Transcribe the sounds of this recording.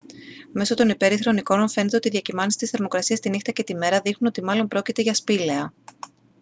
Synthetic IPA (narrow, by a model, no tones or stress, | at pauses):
me̞so̞t̪o̞nipe̞ɾiθɾo̞niko̞no̞nfe̞net̪e̞ot̪iðjɐcimɐnisi̥t̪isθe̞ɾmo̞kɾɐsiɐst̪inixt̪ɐce̞t̪ime̞ɾɐðixnunot̪imɐlo̞mpɾo̞cit̪e̞ʝɐspile̞ɐ